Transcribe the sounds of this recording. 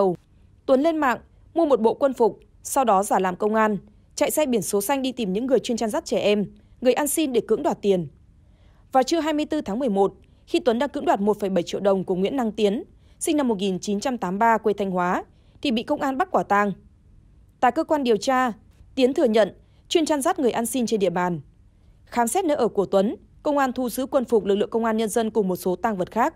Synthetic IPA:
w | t̪wə˨˦nle˧nma̰ː˧˨ŋ | mu˧əmo˨˩t̚ɓo̰˧˨kwə˧nfʊ˨˩k͡p̚ | sa˧wɗɔ˨˦zaː˧˩laː˨˩mkə˧wŋ͡mʔaː˧n | t͡ɕa̰˧˨jsɛ˧jɓi˧˩ənso˨˦sa˧jŋ̟ɗi˧t̪i˨˩mɲɨ̰˧˥ŋːɨ˨˩əjt͡ɕwənt͡ɕaː˧nzaː˦˥t̚t͡ɕɛ˧˩ʔɛ˧m | ŋɨ˨˩əjʔaː˧nsi˧nɗe˧˩kɨ̰˧˥ŋɗwaː˨˩t̚t̪i˨˩ən | vaː˨˩wt͡ɕɨ˧əɦaː˧jmɨ˧əjt̪ɨ˧t̪ʰaː˨˦ŋmɨ˨˩əjmo˨˩t̚ | xi˧t̪wə˨˦nɗaː˧ŋkɨ̰˧˥ŋɗwa˨˩t̚mo˨˩t̚fə˧˩jɓə˧˩jt͡ɕḭ˧˨əwɗə˨˩wŋ͡mku˧˩əŋwḭ˧˥nːa˧ŋt̪i˨˦ən | sï˧ŋ̟na˧mːo˨˩ŋi˨˩nt͡ɕi˨˦nt͡ɕa˧mt̪aː˨˦mɓaː˧kwe˧t̪ʰa˧jŋ̟hwaː˨˦ | t̪ʰi˨˩ɓḭ˧˨kə˧wŋ͡mʔaː˧nɓa˦˥kwaː˧˩t̪a˧ŋ | t̪a̰ː˧˨kəː˧kwaː˧nɗi˨˩əwt͡ɕaː˧ | t̪i˨˦ənt̪ʰɨ˨˩əɲə̰˧˨n | t͡ɕwi˧ənt͡ɕaː˧nzaː˦˥t̚ŋɨ˨˩əjʔaː˧nsi˧nt͡ɕe˧nɗḭ˧˨əɓaː˨˩n | xaː˨˦msɛ˦˥t̚nə˨˧˦ʔəː˧˩ku˧˩ət̪wə˨˦n | kə˧wŋ͡mʔaː˧nt̪ʰu˧zɨ˨˦kwə˧nfʊ˨˩k͡p̚lɨ˨˩k̚lɨ̰˧˨ə˨ŋkə˧wŋ͡mʔaː˧nɲə˧nzə˧nkʊ˨˩ŋ͡mmo˨˩t̚so˨˦t̪aː˧ŋvə˨˩t̚xaː˦˥k̚

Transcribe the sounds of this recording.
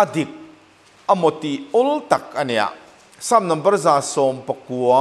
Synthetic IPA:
ʔɐd̪ik̚ | ʔɐmɔ˨t̪iɔ˦lt̪ɐ˨k̚ɐnɛja̰˨ | sa˦mnɐ˨mbɐ˦rza˨sɔ˨mpɐkuɔ

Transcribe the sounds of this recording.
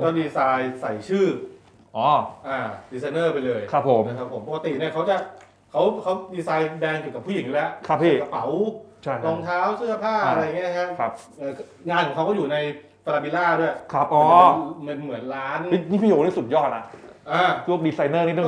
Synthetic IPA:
kɔː˥˩diː˧saː˧jsa˨˩jt͡ɕʰɯː˥˩ | ʔɔː˨˥˩ʔaː˨˩diː˧sa˧jnɤː˥˩pa˧jlɤː˧jkʰɾa˦˥pʰːo˩˦mna˧kʰa˦˥pʰːo˩˦mpʰɔ˧ka˧t̪i˨˩ni˥˩ɐkʰa˦˥wt͡ɕa˨˩ʔ | kʰa˦˥wkʰa˦˥wdiː˧saː˧jdɛː˧ŋki˨˩ka˨˩pʰu˥˩i˩˦ŋju˦˥lɛ˦˥ʔkʰɾa˦˥pʰːiː˧˥˩ka˧pa˩˦wt͡ɕʰa˥˩jʰlɔ˧ŋt̪ʰaː˦˥wsɯ˥˩ɐpʰaː˥˩˧a˧ɾa˧jŋːi˦˥˩a˦˥pʰa˦˥p̚ | ʔaː˧˩ | ŋaː˧nkʰɔ˨˦ŋʰkʰwkɔ˥˩juː˨˩na˧j | t̪a˧laː˧bi˧laː˥˩du˥˩jkʰɾa˦˥˩p̚ʔɔː˧˦me˧nmɯ˩˦ənɾaː˦˥ni˦˥ni˦˥pʰi˧joː˧˩niː˥˩su˨˩t̪̚jɔː˥˩t̪̚na˦˧ʔʔaː˧˩t͡ɕʰu˥˩ək̚diː˧saː˧jnɤː˥˩ni˦˥t̪ɔ˥˩

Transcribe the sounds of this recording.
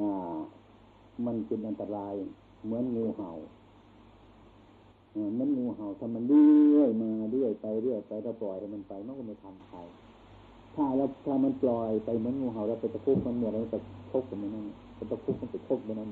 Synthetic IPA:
ʔaː˧˩ | ma˧˨npi˧˨nʔa˧nt̪a˧ɾaː˧j | mɯ˨˧˦ə˨nŋuː˧˩ha˨˩w | ʔaː˧˩mɯ˧˦˥ə˨nŋuː˧˩ɦa˨˩wt̪ʰaː˧˩ma˧ndiː˧˨˧jmaː˧di˧˩ə˨jpa˧jdɯ˧˩ə˨jpa˧jlɛː˧˩wplɔː˨˩jt̪ʰa˧˩ma˧˨npa˧jm˧˨nku˧na˧˩t̪ʰa˧n˧pʰa˨˧˩j | t̪ʰaː˧˩lɛː˧˩wt̪ʰaː˧˩ma˧˨nplɔː˧˩jpa˧jmɯ˧˦˥ə˨nŋuː˧˩ɦa˨˩wlɛ˧˩wkʰa˧˩t̪a˧˩kʰu˧˩k̚ma˧nm˧˨˧ma˧˩ka˧˩kʰo˧˩k̚ːa˨mɯ˧˨nːa˧˥˩n˧˩ka˧˩t̪kʰu˧˥˩k̚ma˧˥nka˧˩kʰo˧˥˩k̚bna˧˨n

